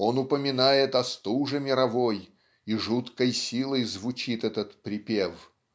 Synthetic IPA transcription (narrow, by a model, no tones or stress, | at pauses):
o̞nʊpəmʲɪnajɪt̪ɐst̪uʐɨmʲɪɾɐvo̞j | iʐut̪kəjsʲilˠəjzvʊt͡ɕit̪ɛt̪ət̪pɾʲɪpʲef